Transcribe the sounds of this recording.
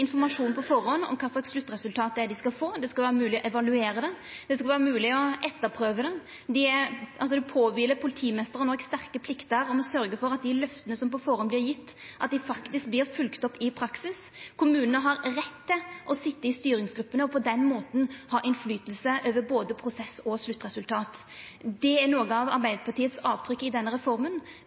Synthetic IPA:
ɪnfɔɾmɑʂuːnpʰɔfɔɾɔnːɔ̰mkʰɑːslɑkslʉt̪ːɾɛsʉlt̪ʰɑːt̪ɛd̪ɪskɑlfoːd̪ɛskɑlʋæːɾəmʉːlɪɔʔɛʋɑlʉeːɾəd̪ɛ | d̪ɛskɑlʋæːɾəmʉːlɪɔʔɛt̪ːəɾpʰɾøːʋəd̪ɛ | d̪ɪɛɾʔɑls̬ɔd̪ɛpʰoːʋiːlːəɾpʰʊlɪt̪ʰiːmɛst̪əɾənɔɡst̪æʁkəpʰlɪkt̪əɾɔmɔsœɾɡəfɔɾɑt̪̚d̪ɪlœft̪ənəsɔmpɔfɔɾɔnblɪɾjɪt̪ːʔɑt̪̚d̪ɪfɑkt̪ɪsk̚blɪɾfʉlkt̪ɔpːɪpʰɾɑksɪs | kʰʊmʉːnənəɦɑɾɾɛt̪ʰːɪʔɔsɪt̪ːəɪst̪yːɾɪŋsɡɾʉpːənəɔpʰɔd̪ɛnmoːt̪n̩hɑːʔɪnflyːt̪əl̩səʔøːʋəɾboːd̪əpʰɾʊsɛsɔslʉt̪ːɾɛsʉlt̪ʰɑːt̪ | d̪ɛæɾnoːɡəɑʋɑ̰ɾbæɪd̪əpʰɑʈ̪iːət̪sɑːʋt̪ʰɾʏkːɪd̪ɛnːəɾɛfɔɾmən

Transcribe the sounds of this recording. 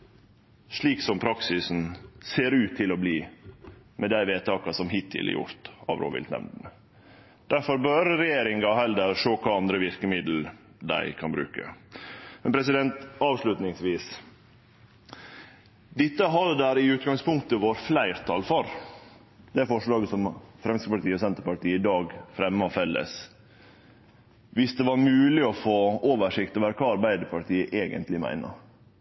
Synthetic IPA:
ʂɭiːksɔmpʰɾɑksɪsn̩seːɾʉːt̪ʰːɪlɔbliː | mɛd̪æɪʋeːt̪ʰɑːkɑsɔmɦɪt̪ʰːɪ̰lɛ̰ɾjʊ̰ɾt̪ɑ̰ʋɾo̰ːʋɪ̰lt̪nɛ̰mnd̪n̩ | d̪̥æɾfɔɾbøɾɾɛjeːɾɪŋɡɑhɛld̪əɾʂoːkʰɑːɑnd̪ɾəʋɪɾkəmɪd̪l̩ | d̪æ̰ɪkʰɑnbɾʉ̰ːkə̰mɛnpʰɾɛs̬ɪd̪ɛnt̪ɑːʋʂlʉt̪nɪŋsʋiːs | d̪ɪt̪ːəɦɑd̪əd̪æːɾɪʉːt̪ɡɑŋspʰʊŋk̚t̪əʋoːɾflæɪɾt̪ʰɑlfɔɾ | d̪̥ɛæɾfɔʂɭɑːɡəsɔmfɾɛmskəpɑʈ̪iːɔsɛnt̪əɾpɑʈiːəɪd̪ɑːɡfɾɛmːəɔfɛlːə̰s | ʋɪsd̪ɛʋɑɾmʉːlɪɔfoːoːʋəʂɪkt̪ɔʋæːɾəkʰɑːɑɾbæɪd̪əpʰɑʈʰiːəʔeːɡə̰nt̪lɪmæ̰ɪnə̰ɾ

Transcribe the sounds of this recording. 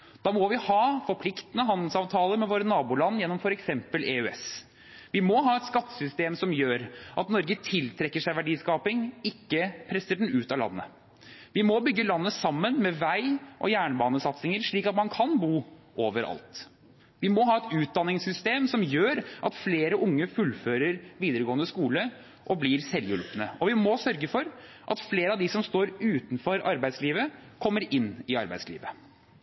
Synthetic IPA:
d̪̥ɑːmɔʋɪhɑːfɔɾpʰlɪkt̪ənəɦɑnd̪l̩sɑːʋt̪ʰɑːləɾmɛʋoːɾənɑːbuːlɑnːjɛnːɔmfɔɾɛksɛmpəlʔeøːɛ̰s | ʋɪmɔɦɑːɛt̪skɑt̪ːə̥sʏst̪eːmsɔmjøːɾʔɑt̪nɔɾɡət̪ʰɪlt̪ʰɾɛkːəʂæɪʋæɖiːskɑːpɪŋɪkːəpʰɾɛsəɖɛnʉːt̪ɑlɑ̰nːə̰ | ʋɪmɔbʏɡːəlɑnːəsɑmːənmɛʋæɪʔɔ̰jæːɳbɑːnəsɑt̪sɪŋəɾʂɭiːkɑt̪mɑnkʰɑnbuːʔoːʋəɾɑ̰lt̪ | ʋɪmɔɦɑːɛt̪ʉːt̪̚d̪ɑnːɪŋsʏst̪eːmsɔmjøːɾʔɑt̪fleːɾəʔʊŋːəfʉlføːɾəɾʋiːd̪əɾəɡoːənəskuːlə | ʔɔbliːɾsɛljʉlpənəɔʋɪmɔsœɾɡəfɔɾ | ʔɑ̰t̪fleːɾəɑʋd̪ɪsɔmst̪oːɾʉːt̪n̩fɔɾɑ̰ɾbæɪd̪sliːʋəkʰɔmːəɾɪnːɪɑ̰ɾbæɪd̪slḭːʋə

